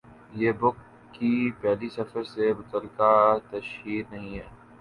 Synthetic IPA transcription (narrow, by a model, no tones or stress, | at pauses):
jeːbʊkː | ipɛːlisɐfəɾsemʊt̪əlːɪkat̪ɐʃɦiːɾnɐɦĩɦɛː